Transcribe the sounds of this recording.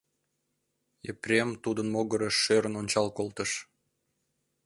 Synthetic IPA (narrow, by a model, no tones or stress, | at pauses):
ḛprʲemt̪ud̪ənmoɣəɾəʃːøɾə̆nonʲt͡ɕɑlkolt̪əʃ